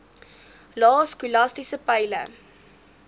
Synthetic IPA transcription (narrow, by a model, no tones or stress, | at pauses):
lɑːskulɐstisəpəjlə̰